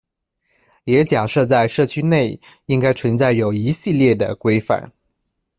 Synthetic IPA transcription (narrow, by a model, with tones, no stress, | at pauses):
jɛ˧˥t͡ɕja˨˩ʂɤ˥˧t͡sa˥˧ɪʂɤ˥˩t͡ɕʰy˥ne˥˩ɪ | i˥ŋka˥ɪt͡sʰwə˧˥nt͡sa˥˩ɪjo˨˩ʊi˧˥ɕi˥˧ljɛ˥˩d̪ə̰˩kwe˥ɪfa̰˨˩˦n